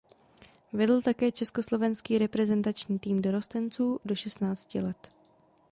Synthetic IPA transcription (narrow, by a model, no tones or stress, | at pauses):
vɛdl̩t̪akɛːt͡ʃɛsko̞slo̞vɛnskiːɾɛpɾɛzɛnt̪at͡ʃɲiːt̪iːmdo̞ɾo̞st̪ɛnt͡suːdo̞ʃɛst̪naːt͡scɪ̰lɛt̪